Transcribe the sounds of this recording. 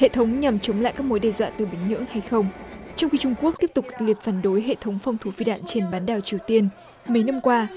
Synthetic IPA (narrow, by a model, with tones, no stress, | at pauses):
hḛ˧˨t̪ʰə˨˦wŋ͡mɲa˨˩mt͡ɕə˨˦ŋ͡mla̰ː˧˨jkaː˦˥k̚mo˨˦jɗɛ˧˩zwa̰ː˧˨nt̪ɨ˨˩ɓï˧˩ŋ̟ɲɨ̰˧˥əŋha˧jxə˧wŋ͡mt͡ɕɔ˧wŋ͡mxi˧t͡ɕʊ˧ŋ͡mku˦˥k̚t̪i˦˥əp̚t̪ʊ˨˩k͡p̚ki̥˨˩k̚li˨˩əp̚faː˧˩nɗo˨˦jɦḛ˧˨t̪ʰə˨˦wŋ͡mfa˧wŋ͡mt̪ʰu˨˦fi˧ɗa̰ː˧˨nt͡ɕe˧nɓaː˨˦nɗaː˨˩wt͡ɕi˨˩əwt̪i˧ən | mə˨˦jna˧mkwaː˧